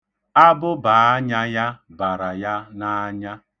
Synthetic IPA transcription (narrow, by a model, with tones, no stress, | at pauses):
a˦bʊ˦baː˨˦a˦ɲa˦ja˦ba˨ɾa˨ja˦na˦ɲa˦